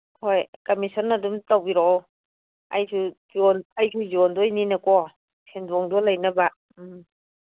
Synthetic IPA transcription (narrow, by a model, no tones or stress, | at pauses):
hojkamisɔnːadumtawbiɾɔ | a̰jsʰuzɔnajsʰuzɔndɔjninakɔ | sʰendɔŋdɔlajnaba | m